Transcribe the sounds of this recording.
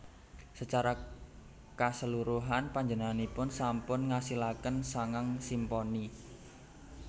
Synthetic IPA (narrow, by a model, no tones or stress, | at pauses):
sət͡ʃaɾa | kasəluɾuɦanpaɲd͡ʒənaŋanipʊnsampʊnŋasilakənsaŋaŋsimpɔni